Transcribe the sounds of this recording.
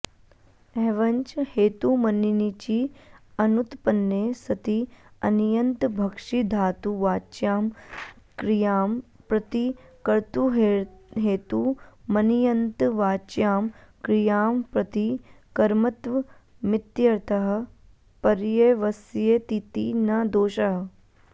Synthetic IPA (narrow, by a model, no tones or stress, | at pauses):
ɛːʋɐɲt͡ʃheːt̪umɐninit͡ʃiɐnut̪pɐnːeːsɐt̪iɐnjɐnt̪bʱɐkʂid̪ʱaːt̪uʋaːt͡ʃjaːmkɾijaːmpɾɐt̪ikɐɾt̪uɦɦeːt̪umɐnijɐnt̪ʋaːt͡ʃjaːmkɾijaːmpɾɐt̪i | kɐɾmɐt̪ʋɐ | mɪt̪jɐɾt̪ɐɦɐ̆ | pɐɾjeʋɐsjet̪it̪inɐd̪oːʃɐɦɐ̆